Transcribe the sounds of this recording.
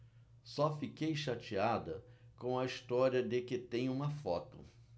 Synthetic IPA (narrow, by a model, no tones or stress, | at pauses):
sɔfikejʃat͡ʃiad̪ɐkõɐist̪ɔɾiɐd̪ɪkɪt̪ẽj̃ũmɐfɔ̰t̪ʊ̰